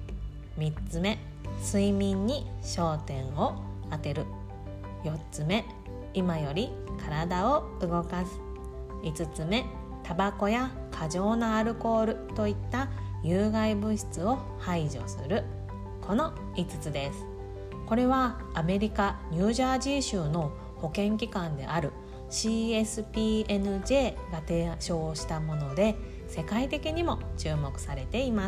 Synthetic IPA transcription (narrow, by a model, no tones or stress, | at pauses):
mʲit͡sɨme̞ | sɨimʲĩɲ̟ːiɕo̞ːt̪ẽ̞ɰ̃o̞at̪e̞ɾɯ̟ | jo̞tt͡sɨme̞ | imajo̞ɾʲi | kaɾad̪ao̞ | ɯ̟ɡo̞kasɨ̥ | it͡sɨt͡sɨme̞ | t̪abako̞ja | kʰaʑo̞ːnaːɾɯ̟ko̞ːɾɯ̟t̪o̞it̪ːajɯːɡaibɯ̟ɕi̥t͡sɨo̞ | haiʑo̞̰sɨ̰ɾɯ̟ | kʰo̞no̞ | it͡sɨ̥t͡sɨd̪e̞sɨ̥ | ko̞ɾe̞β̞aː | me̞ɾʲikaɲ̟ɨːʑaːʑiɕɯːno̞ | ho̞kẽ̞ŋkʲikãnd̪e̞̰ʔaɾɯ̟ | ɕiːe̞sɨpʲiːenɯ̟ʑe̞ːɡat̪eːɕo̞ːɕi̥t̪amo̞no̞d̪e̞ | se̞kait̪e̞kʲiɲ̟imo̞t͡ɕɨːmo̞kɯ̟̥saɾe̞t̪e̞ima